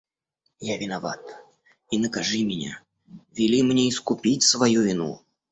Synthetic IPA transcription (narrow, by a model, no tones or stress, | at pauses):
javʲɪnava̰t̪ | inəkaʐɨmʲɪnʲa̰ | vʲilʲimnʲeiskupʲit͡sʲsvajuvʲinṵ